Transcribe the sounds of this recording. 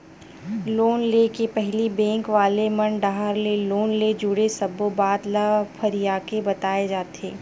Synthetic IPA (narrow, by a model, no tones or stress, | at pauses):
loːnlekepɛɦlibɛ̃ːŋkʋaːlemɐnɖaːɦəɾleloːnled͡ʒʊɽesɐbobaːd̪lapʰɐɾijaːkebɐt̪aːed͡ʒaːt̪eː